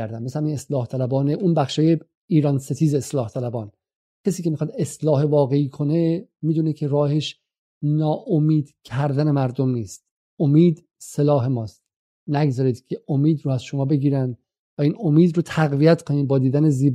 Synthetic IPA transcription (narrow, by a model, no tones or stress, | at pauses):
æɾd̪ænmesehæmiːneslɒːht̪ʰælæbɒːneʔunbæχʃɒːje | iːɾɒnse̞t̪ʰiːzeːslɒːht̪ʰælæbɒːn | cʰesiːcʲe̞mixɑd̪eslɒːɦevɒːɣe̞iːkʰo̞ne̞miːd̪uːnicʰeɾɒːheʃ | nɒːʔomiːd̪cʰæɾd̪æne̞mæɾd̪omniːst̪ | omiːd̪ | selɒːɦe̞mɒːst̪ | næɡzɒːɾiːd̪̥cʲʰe̞omiːd̪ɾoæzʃomɒːbe̞ɡiːɾænd̪ | væiːnomiːd̪ɾot̪ʰæɣvijæt̪kʰoniːd̪̚bɒːd̪iːd̪æneziːb